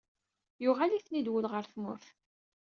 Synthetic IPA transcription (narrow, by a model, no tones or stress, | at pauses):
jʊʁaliθnid̪wəlʁəɾθmʊ̰ɾθ